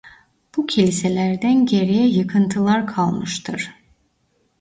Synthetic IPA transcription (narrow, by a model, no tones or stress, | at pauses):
b̥ucʰilʲise̞lʲæɾd̪ænɟe̞ɾijɛjɯkʰɯnt̪ʰɯlˠaɾkʰalˠmɯʃt̪ʰɯɾ̥